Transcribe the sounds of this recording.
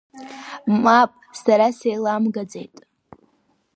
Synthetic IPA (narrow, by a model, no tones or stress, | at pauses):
mapʼsaɾasejlamɡad͡ze̞jtʼ